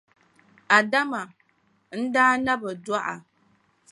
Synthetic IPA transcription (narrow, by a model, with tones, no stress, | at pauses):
a˨da˦ma˨ | n̩˦daː˦na˦bɨ˨da˦ʔa̰˨